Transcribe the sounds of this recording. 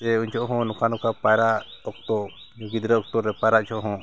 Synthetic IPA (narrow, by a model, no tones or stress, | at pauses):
ɛuɲt͡ʃʰɔʔɦɔ̃nɔkʰanɔkʰapajɾaʔʔɔk̚t̪ɔ | ɡid̪ɾɛɔk̚t̪ɔɾɛpajɾaʔt͡ʃʰɔʔɦɔ̃